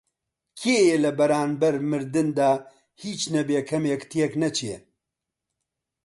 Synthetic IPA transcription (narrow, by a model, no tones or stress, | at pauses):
kʰeːjelɐbɐɾaːnbɐɾmɨɾd̪ɨnd̪aː | hiːt͡ʃnɛbeːkʰɐmjekt̪ʰijeknɐt͡ʃʰe